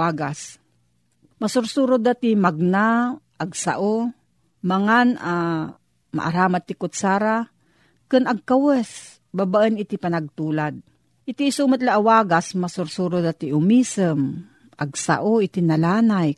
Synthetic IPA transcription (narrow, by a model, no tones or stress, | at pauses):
aːɡas | mɐsʊɾsuːɾʊd̪at̪imaɡ̚naʔaɡsa̰ʔo | mɐŋana | ma̰ʔa̰ɾaːmat̪ːɪkʊt̪̚saːɾa | kɨnɐɡ̚kawɛs | babaʔənɪt̪ipɐnaɡ̚t̪uːlad̪̚ | ʔɪt̪iːsumət̪laʔawaːɡasmasʊɾsuːɾʊd̪at̪iʔʊmiːsəm | ʔaɡsa̰ʔoɪt̪inɐlaːnaj